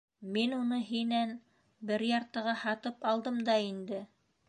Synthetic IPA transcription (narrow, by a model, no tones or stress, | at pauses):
minunɤɦinæn | bɘɾjɑɾt̪ɤ̆ʁɑhɑt̪ɤpɑlˠd̪ɤmd̪ɑind̪ɘ